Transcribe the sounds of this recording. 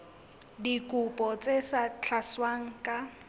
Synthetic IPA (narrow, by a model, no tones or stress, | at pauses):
dikʼupʼɔt͡sʼesat͡ɬʰaswaŋ̩kʼa